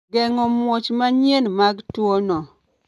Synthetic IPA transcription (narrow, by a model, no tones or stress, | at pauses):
ɡɛŋɔmwot͡ʃmaɲjenmaɡtwonɔ